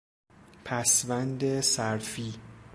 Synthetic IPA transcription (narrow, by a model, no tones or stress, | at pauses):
pʰæsvænd̪esæɾfiː